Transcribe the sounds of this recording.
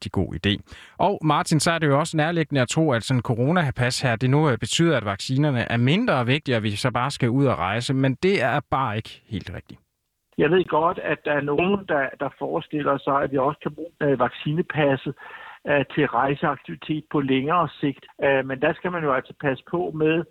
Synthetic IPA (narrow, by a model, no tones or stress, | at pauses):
d̥iɡ̥o̝̰ːḭd̥e̝̰ːʔɒʊmɑ̈ːt͡sʰinsɒ̽æɐɾe̝jo̝ɒ̽sənæɐleɡ̥ənəæt͡sʰʁo̝̰ːæd̥sɒ̽nnkʰo̝ʁo̝ːnæhæpʰæshæɐ̰d̥e̝nub̥e̝t͡sʰy̰ːðˠɐæd̥ʋɑ̈ɡ̥siːnɐnəʔæɐme̝nd̥ʁɐːʋe̝ɡ̥̚d̥iɒʋisɒ̽b̥ɑ̈ːsɡ̥æuð̞̰ˠɒʁɑ̈ɪsəmend̥e̝æɐb̥ɑ̈ːe̝ɡ̥ə̥he̝̰ːld̥ʁeɡ̥̚d̥i | jɑ̈ɪʋe̝ð̰ˠɡ̥ɒ̽d̥æd̥ːɑ̈æɐnond̥ɑd̥ɑ̈fɒːsd̥e̝l̰ɐsɑ̈ɪæ̥ʋiɒ̽sə̥kʰæbʁu̥ːnæʋɑ̈ɡ̥siːnəpʰæsə | t͡sʰe̝lʁɑ̈ɪsəɑ̈ɡ̥̚t͡sʰiʋit͡sʰe̝̰ːd̥̚pʰɒ̽leŋɐːse̝ɡ̥d̥mend̥æsɡ̥æmænjoæl̰sɒ̥pʰæsə̥pʰɒ̽meðˠ